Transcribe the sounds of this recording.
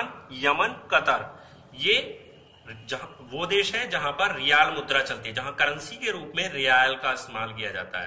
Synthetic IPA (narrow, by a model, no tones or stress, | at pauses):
njɐmənkɐt̪əɾ | jeː | d͡ʒɐɦʋod̪eːʃɦɛd͡ʒɐɦãpɐɾːɪjaːlmʊd̪ɾat͡ʃɐlt̪eɦɛd͡ʒɐɦãkɐɾənsikeɾuːpmẽɾɪjaːjəlkaɪst̪eːmaːlkijad͡ʒa̰ːt̪a̰ɦɛ